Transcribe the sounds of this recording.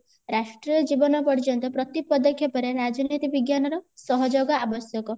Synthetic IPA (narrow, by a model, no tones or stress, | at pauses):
ɾasʈɾijɔd͡ʒibɔnɔpɔɽit͡ʃɔnt̪ɔpɾɔt̪ipɔd̪ɔkʰjɔpɔɾeɾad͡ʒɔnit̪ibiɡjanɔɾɔsɔɦɔd͡ʒoɡɔabɔsjɔkɔ